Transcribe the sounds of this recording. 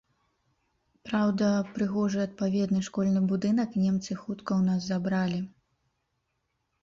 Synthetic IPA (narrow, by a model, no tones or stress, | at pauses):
pɾawd̪ɐpɾɨɣɔʐɨɐt̪̚pavʲɛd̪nɨʂkɔlʲnɨbud̪ɨnɐknʲɛmt̪sɨxut̪kɐwnaszabɾalʲi